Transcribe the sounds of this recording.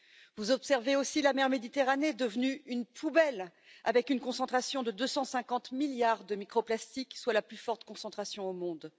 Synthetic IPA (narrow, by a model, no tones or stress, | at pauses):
vuzɔpsɛʁveosilamɛʁmed̪it̪eʁaned̪əvnyynpʰubɛlavɛkynkɔ̃sɑ̃t̪χasjɔ̃d̪əd̪øsɑ̃sɛ̃kɑ̃t̪miljaʁd̪əmikχoplast̪ikswalaplyfɔʁt̪kɔ̃sɑ̃t̪χasjɔ̃omɔ̃d̪